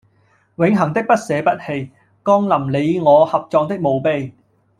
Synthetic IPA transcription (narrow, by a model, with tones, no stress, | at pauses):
wɪ˨˥ŋɦɐ˨˩ŋt̪ɪ˥k̚pɐ˥t̚sɛː˨˧pɐ˥t̚he˧j | kɔː˥ŋlɐ˨˩mle˨˧jŋɔː˨˧hɐ˨p̚t͡sɔː˨ŋt̪ɪ˥k̚mo˨˧wpe˧j